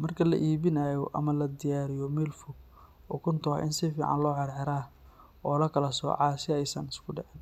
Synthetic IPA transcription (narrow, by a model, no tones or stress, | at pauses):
mɐrkʰɐlɐ̰ʔiːβɪnajɔʔɐ̰mɐlɐd̪ɪjaːɾɪjɔmɛːlfʊ | ʔʊkʰʊnt̪ʰɔ̰ʔɪnsɪfiːʕɑ̰nlɔːʕɑɾʕɛɾaː | ɔːlɐkʰɐlɐsɔ̰ːʕɑːsɪɛjsɐnɪskʰʊɖɛʕɛn